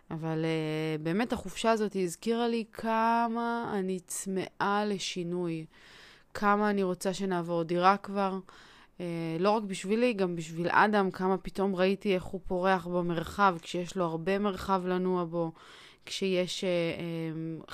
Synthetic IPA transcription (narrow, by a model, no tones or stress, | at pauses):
avalebe̞ːme̞taχufʃaːzo̞tiːzkiʁalikʰamaːnit͡sme̞ʔale̞ʃinuj | kʰamaːniʁo̞t͡saʃe̞naːvo̞ʁdiʁakvaʁ | elo̞ʁakbiʃviliɡambiʃvila̰damkamapito̞mʁaitie̞χhupo̞ʁe̞aχbame̞ʁχavkʃejeʃlo̞haʁbe̞me̞ʁχavlanuabo̞ | kʃeje̞ʃeem